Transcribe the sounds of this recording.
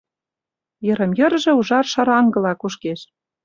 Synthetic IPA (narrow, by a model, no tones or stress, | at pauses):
jɤ̆ɾə̆mjɤ̆rʒĕuʒɑrʃɑɾɑŋɡɤ̆lɑkuʃkeʃ